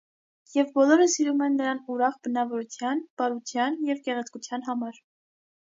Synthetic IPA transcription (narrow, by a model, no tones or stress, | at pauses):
jɛvbɔlɔɾəsiɾumɛnːəɾɑnuɾɑχbənɑvɔɾut͡sʰjɑnb̥ɑɾut͡sʰjɑnjɛvkɛʁɛt͡sʰkut͡sʰjɑnɦɑmɑɾ